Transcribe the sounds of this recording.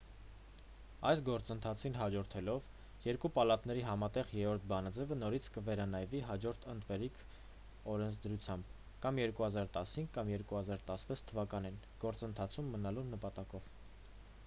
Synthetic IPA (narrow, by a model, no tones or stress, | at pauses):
ɑjsɡɔɾt͡sənt̪ʰɑt͡sʰinɦɑd͡ʒɔɾt̪ʰɛlɔv | jɛɾkupɑlɑt̪nɛɾiɦɑmɑt̪ɛʁjɛɾɔɾt̪̚ʰbɑnɑd͡zɛvənɔɾit͡sʰkəvɛɾɑnɑjviɦɑd͡ʒɔɾt̪ʰənt̪vɛɾikʰ | ɔɾɛnt͡sʰd̪əɾut͡sʰjɑmb̥ | kɑmjɛɾkuhɑzɑɾt̪ɑshiŋɡkːɑmjɛɾkuhɑzɑɾt̪ɑsvɛt͡sʰt̪ʰːəvɑkɑninɡ̥ɔɾt͡sənt̪ʰɑt͡sʰumːənɑlunəpɑt̪ɑkɔv